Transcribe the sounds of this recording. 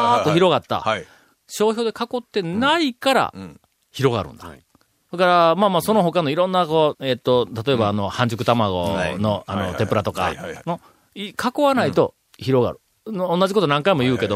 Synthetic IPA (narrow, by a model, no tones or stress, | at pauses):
at̪oçiɾo̞ɣat̪ːa̰ | ɕo̞ːçʲo̞ːd̪e̞kako̞t̪ːe̞naikaɾa̰ | çiɾo̞ɣa̰ɾɯ̟̰̃nd̪̥ḁ | d̪̥akaɾamaːmaːso̞no̞ɦo̞kano̞iɾõ̞nːakoet̪ːo̞t̪at̪o̞e̞baːno̞hãɲd͡ʑɨkɯ̟t̪amaɡo̞̰no̞ano̞̰t̪e̞pɯ̟ɾat̪o̞ka̰no | ikʰakoβanait̪o̞ | çiɾo̞ɡa̰ɾɯ̟ | õnːad͡ʑiko̞t̪onãŋkaimo̞jɯ̟ːke̞d̪o